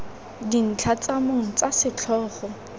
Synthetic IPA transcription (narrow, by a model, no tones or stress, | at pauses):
din̩t͡ɬʰat͡samoŋ̩t͡sʼasɪt͡ɬʰɔːχɔ